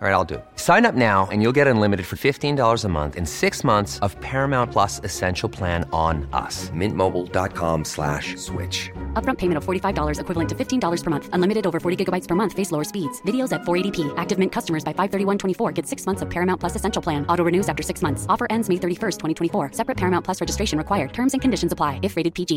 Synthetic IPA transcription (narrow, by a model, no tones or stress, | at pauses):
ɹaɪɾaɪlˠdɨ̰sãɪ̃nʌp̚naʊɨ̰̃njulˠɡɛɾə̃nlɪ̃mɨɾɨd̥fə˞fɪftĩndɔlˠə˞zəmʌ̰̃nθɨ̰̃nsɪksmʌ̃nθsʌv̥pʰɛɹɨmãʊ̃npʰl̥ʌsɨsɛ̃nʃl̩ˠpʰl̥æ̃ñnʌ̰smɪ̃nmoʊbl̩ˠdɑ̰t̚kʰɑ̰̃mslæ̰ʃswɪ̰t͡ʃʌp̚ɹʌ̃mpʰeɪmɨ̃ñtʌv̥fɔɹɾifaɪvdɔlˠə˞zɨkʰwɪvl̩ˠə̃ntʰɨfɪftʰĩndɔlˠə˞z̥pʰə˞mʌ̃nθə̃nlɪ̃mɨɾɨɾoʊvə˞fɔɹɾiɡɪɡəbaɪtspʰə˞mʌ̃nθfeɪsloʊə˞spidz̥vɪɾioʊzɨtfɔɹeɪɾipʰiʔæk̚tɨvmɪ̃nkʰʌstəmə˞zbaɪfaɪv̥θɜ˞ɾiwʌ̃ntʰw̥ɛ̃ifɔɹɡɛd̥sɪksmʌ̃nθsʌv̥pʰɛɹɨmãʊ̃npʰl̥ʌsɨsɛ̃nʃl̩ˠpʰl̥æ̃nɔɾoʊɹɨnʉzæftə˞sɪksmʌ̃nθsɔfə˞ʔɛ̃ndzmeɪθɜ˞ɾifɜ˞stʰwɛ̃ɾ̃itʰwɛ̃ifɔɹsɛpɹɨt̚pʰɛɹmãʊ̃npʰl̥ʌsɹɛd͡ʒɨstɹeɪʃɨ̃n̩ɹɨkʰwaɪə˞d̚tʰɜ̃˞mzɨ̃nkʰɨ̃ndɪʃn̩zəpʰl̥aɪɨfɹeɪɾɨd̚pʰid͡ʒi